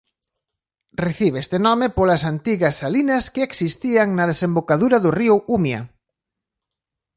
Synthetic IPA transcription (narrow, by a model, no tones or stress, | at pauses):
reθiβeest̪enɔmɪpolɐsant̪iɣɐsalinɐskeeksist̪iaŋnɐð̞esembokaðuɾɐðʊriʊumjɐ̰